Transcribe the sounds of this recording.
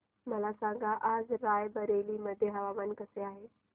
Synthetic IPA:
mɐlasãːɡaʔaːzɾaːjbɐɾeːlimɐd̪ʱeɦɐʋaːmənkɐseaːɦeː

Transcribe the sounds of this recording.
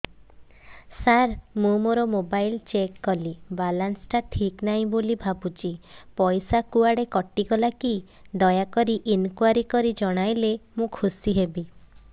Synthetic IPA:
saɾmũmoɾɔmobajlt͡ʃekːɔlibalansʈaʈʰiknaɦĩbolibʱabut͡ʃʰipɔjsakuaɽekɔʈːiɡɔlaki | d̪ɔjakɔɾiʔinkwaɾikɔɾid͡ʒɔɽ̃ajlemũkʰusiɦebi

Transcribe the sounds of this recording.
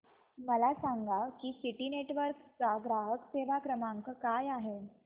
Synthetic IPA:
məlasaŋɡakiːsiʈineʈʋəɾkt͡saɡɾaɦəkseʋ̤akɾəmaŋkəkajaɦe

